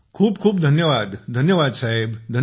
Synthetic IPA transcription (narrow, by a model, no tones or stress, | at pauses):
kʰuːbkʰuːbd̪ʱənjəʋad̪d̪ʱənjəʋad̪saɦebd̪ʱə